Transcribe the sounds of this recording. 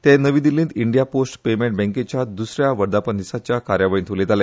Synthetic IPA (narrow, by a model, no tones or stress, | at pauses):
t̪ɛ̃nəʋĩd̪ilĩːnt̪iɳɖijaposʈpemẽɳʈ̚bɛ̃ŋket͡ɕjad̪usɾjaʋəɾd̪apənd̪isat͡ɕjakaɾjaʋaɭint̪ʰolet̪ale